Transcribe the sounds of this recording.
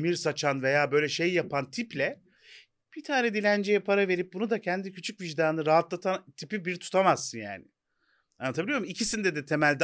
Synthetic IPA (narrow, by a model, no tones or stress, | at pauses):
miɾsat͡ʃʰanve̞jaːbø̞jlʲɛʃe̞jːapʰant̪ʰiplʲɛ | b̥it̪ʰaːɾɛd̪ilʲænd͡ʒejɛpʰaɾave̞ɾip̚bunud̪acʰɛnd̪icʰyt͡ʃʰycviʒd̪aːnɯɾaɦat̪lˠat̪ʰant̪ʰipibiɾt̪ʰu̥t̪ʰamazsɯnja̰ːnɪ | anːat̪ʰabilʲjoɾmicʰisind̪ɛd̪ɛt̪ʰemælʲd̪ɛ